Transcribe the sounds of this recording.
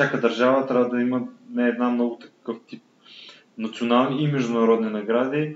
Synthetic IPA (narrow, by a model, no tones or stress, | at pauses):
fsʲjakəd̪ɐɾʒavət̪ɾʲavəd̪ɐimənɛɛd̪namnɔɡʊt̪ɐ̥kɤft̪ip̚ | nɐt̪sionalˠniimɛʒd̪ʊnɐɾɔd̪ninɐɡɾad̪i